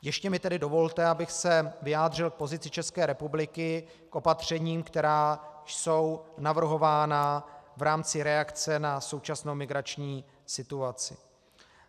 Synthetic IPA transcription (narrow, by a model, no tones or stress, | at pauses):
jɛʃcɛmɪt̪ɛdɪdovo̞lt̪ɛabɪxsɛvɪjaːd̪r̝ɪlk̚po̞zɪt͡sɪt͡ʃɛskɛːɾɛpublɪkɪ | kʔo̞pat̪r̝̥ɛɲiːmkt̪ɛɾaːso̞wnavr̩ɦo̞vaːnavɾaːmt͡sɪɾɛakt͡sɛnaso̞wt͡ʃasnowmɪɡɾat͡ʃɲiː | sɪt̪uat͡sɪ̰